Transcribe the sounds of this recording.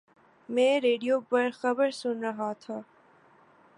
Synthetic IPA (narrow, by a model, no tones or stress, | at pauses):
mɛ̃ːɾeːɖijoːpɐɾxɐbəɾsʊnɾɐɦat̪ʰaː